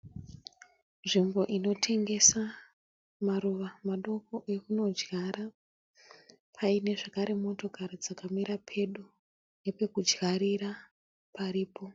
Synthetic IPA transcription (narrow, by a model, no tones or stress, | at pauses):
nʐimbo̞ʔino̞tʰe̞ŋɡe̞sa | maɾuʋamaɗo̞ko̞ʔe̞kuno̞d͡ʒɣaɾa | pʰaine̞ʐakaɾe̞mo̞to̞kaɾid͡zakamiɾapʰe̞ɗu | ne̞pe̞kud͡ʒɣaɾiɾa | paɾiːpo̞